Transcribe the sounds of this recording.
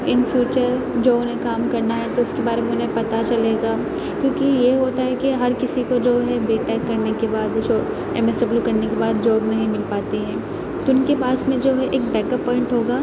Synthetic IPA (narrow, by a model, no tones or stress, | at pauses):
ɪnfʰjuːt͡ʃəɾ | d͡ʒoːʊnɦẽkaːmkɐɾnaɦɛt̪oʊskebaːɾemẽʊnɦẽpɐt̪at͡ʃɐleːɡaː | kjõːkijeɦoːt̪aɦɛkiɦɐɾkɪsikod͡ʒoːɦɛbeːʈɛːkːɐɾnekebaːd̪ʃo | ɛ̰ːmɛsʈəplukɐɾnekebaːd̪̚d͡ʒoːɡnɐɦĩmɪlpaːt̪iɦɛ̃ː | t̪oʊnkepaːsmẽd͡ʒoːɦɛʔeːk̚bɛːkəpːɔːɪ̃ɳʈɦoːɡaː